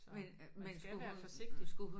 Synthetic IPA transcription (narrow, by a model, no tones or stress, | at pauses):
men | mensɡ̥uɡ̥d̥isɡ̥uɦu